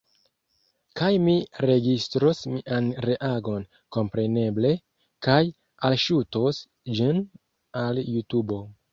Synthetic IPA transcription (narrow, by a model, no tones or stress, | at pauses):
kajmiɾe̞ɡistɾosmiʔanɾe̞ʔaɡo̞n | ko̞mpɾe̞ne̞ble̞ | kaj | alʃutos | d͡ʒin | aljutubo̞